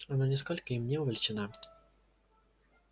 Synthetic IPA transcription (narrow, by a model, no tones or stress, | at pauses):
ananʲɛskɔlʲkəimnʲɛʊvʲɛlʲt͡ʃɪna